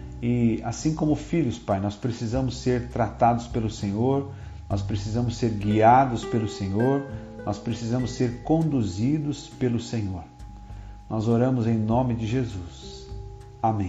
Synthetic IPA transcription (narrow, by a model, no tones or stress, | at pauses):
ɪasĩkõmʊfiʎʊspajnɔspɾesizɐ̃mʊsːeɾt̪ɾat̪ad̪ʊspelʊsẽɲoɾ | nɔspɾesizɐ̃mʊsːeɾɡiad̪ʊspelʊsẽɲoɾ | nɔspɾesizɐ̃mʊseɾkõnd̪uzid̪ʊspelʊsẽɲoɾ | nɔzoɾɐ̃mʊzẽj̃nõmɪd͡ʒɪʒezus | amẽ